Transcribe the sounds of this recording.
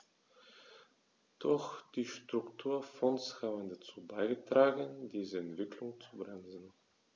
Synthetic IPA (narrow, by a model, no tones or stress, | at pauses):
d̥ɔxd̥iːʃtʁ̥ʊktʰuːɐfɔnshaːbən̩dat͡suːbaɪɡətʁ̥aːɡəndiːzəɛntv̥ɪkʰlʊŋt͡subʁɛnzn̩